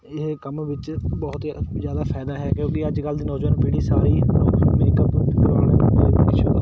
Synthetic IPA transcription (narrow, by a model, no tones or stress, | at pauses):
ɪɦkəmʋɪt͡ʃbɔːt̪zjaːd̪aːpʰɛːd̪aːɦɛːkjõːkɪəd͡ʒkəld̪iːnɔːd͡ʒaːnbeːɽiːsaːɾiːmeːkəpːkɾaːɽeːeːkɪt͡ʃʰe